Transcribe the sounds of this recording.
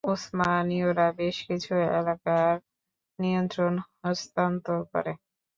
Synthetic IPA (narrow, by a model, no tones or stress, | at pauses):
usmanioɾabeʃkit͡ɕʰuḛlakaɾ | nijont̪ɾonɦɔst̪ant̪okɔ̰ɾe